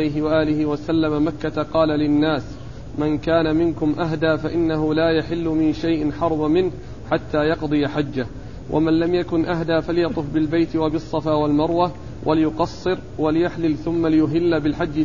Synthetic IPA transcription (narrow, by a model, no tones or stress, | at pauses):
ajɦɪwaʔaːlɪhɪwasalːamamakːat̪aqɑːlalɪnːaːs | mankaːnamɪnkʊmʔaɦd̪aːfaʔɪnːaɦʊlaːjaħɪlːʊmɪnʃajʔɪnħɑɾˤbamɪnh | ħat̪ːaːjɑqd̪ˤɨjaħad͡ʒːah | wʔa̰manlamjakʊnʔaɦd̪aːfaljɑt̪ˤʊfbɪlbajt̪ɪwabɪsˤːɑfaːwalmɑɾˤwa | wʔalɪjʊqɑsˤːɨɾ | walɪjaħlɪlθʊmːalɪjʊɦɪlːabɪlħad͡ʒːɪ